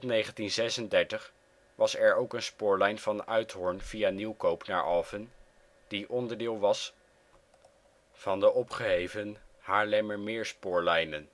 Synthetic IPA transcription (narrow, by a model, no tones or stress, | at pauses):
nejχəntinzɛsəndɛɹtəχ | ʋɑsɛɹowkənspʊːɹlɛjnv̥ɑnʔœɥtɦɔɹnv̥ianiwkowpna̰ːɹʔɑlˠvən | d̥iʔɔndəɹdɪːlˠʋɑs | v̥ɑndəʔɔpχəɦejvənhaːɹlɛməɹmɪːɹspʊːɹlɛjnən